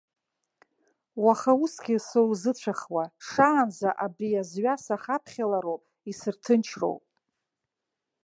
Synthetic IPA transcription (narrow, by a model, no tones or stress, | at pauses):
waχausɡʲisowzɨt͡ɕʷʰaχwaʂaːnzaʔabriazɥasaχapʰχʲalaɾowpʼ | isɨrtʰɨnt͡ʃʰro̰wpʼ